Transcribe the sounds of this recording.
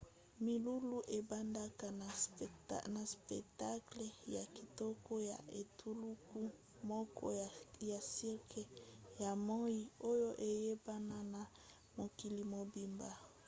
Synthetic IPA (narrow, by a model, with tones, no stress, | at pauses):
mi˨lu˦lu˦ʔe˨ba˦nda˦ka˨na˨ | na˨spɛ̰˨kta˦kle˨ja˨ki˨tɔ˦ko˦ja̰˨e˨tʰu˦lu˦ku˦ | mɔ˦kɔ̰˦ja˨si˦ʁkʰe˨ja˨mɔ˦i˦o˦jo˦ʔe˨je˦ba˦na˦na˨ | mo˨ki˨li˨mo˨bi˨mba˦